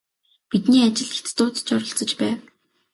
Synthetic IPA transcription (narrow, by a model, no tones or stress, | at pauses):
pit̪niːat͡ɕɪ̆ɮet̪t̪ʊːt͡st͡ɕɔɾɞ̆ɬt͡sə̆t͡ɕpæːw